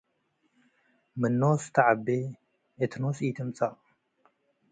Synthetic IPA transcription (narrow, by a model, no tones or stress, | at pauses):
mɨnːost̪ʰaʕabːe | ʔet̪ʰnosit̪ʰɨmt͡sʼaʔʼ